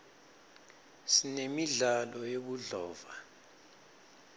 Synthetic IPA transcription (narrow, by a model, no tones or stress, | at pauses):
sinemiɮalɔjoɓuɮɔːva